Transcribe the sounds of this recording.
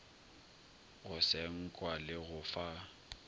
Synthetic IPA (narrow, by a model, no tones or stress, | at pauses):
ɣʊsɛŋ̩kʼwalɪɣʊfa